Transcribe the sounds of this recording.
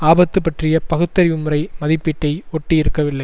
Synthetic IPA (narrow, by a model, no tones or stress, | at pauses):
aːbɐt̪ːɯpːɐʈrɪjɐpɐɣɯt̪ːɐɾɪʋɯmɯɾɐɪmɐðɪpːɪʈːɐɪɔʈːijɪɾɯkːɐʋɪlːɐɪ